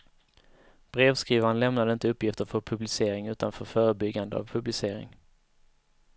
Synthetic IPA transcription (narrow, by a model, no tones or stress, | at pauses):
b̥ɾeːvskɾiːvanlɛmnad̪əɪnt̪əɵpːjɪft̪əɾfœɾpʰɵblɪseːɾɪŋʉ̟ːt̪anfœɾfœːɾəbʏɡːand̪əa̰vpʰɵblɪseːɾɪ̰ŋ